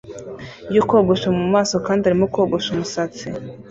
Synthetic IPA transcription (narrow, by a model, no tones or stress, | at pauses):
jokwoːɡoʃamumaːso̞kaːndiaɾimokoːɡoʃumusat͡si